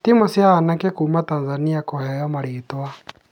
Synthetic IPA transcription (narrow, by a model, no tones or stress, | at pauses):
t̪imɔsianakɛkumat̪anzaniakɔhɛjamaɾit̪wa